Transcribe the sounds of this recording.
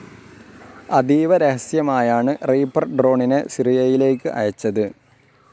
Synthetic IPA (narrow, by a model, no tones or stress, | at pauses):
ɐd̪iːʋɐɾehɐsjɐmaːjaːɳɨreːpːɐrɖro̞ːɳinɨsirijɐjile̞ːk̬ːɨʔɐjɐt͡ɕːɐðɨ